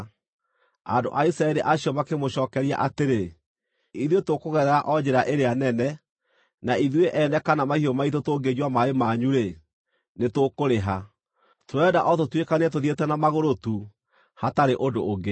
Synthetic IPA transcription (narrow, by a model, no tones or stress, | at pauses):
a̰do̰ʔaisɾaɛɾiʔaɕiɔmakemoɕɔːkɛɾia̰ʔateɾe | iðwetokoɣɛðɛɾaʔɔd͡ʑeɾaʔeɾeanɛnɛ | naiðweʔɛnɛkanamahiɔmaitotoːɡed͡ʑwamaemaɲuɾe | netokoɾeɦa | toɛdaʔɔtotwekaneɛt̬oðietɛnamaɣoɾotu | hataɾeʔodoːɡe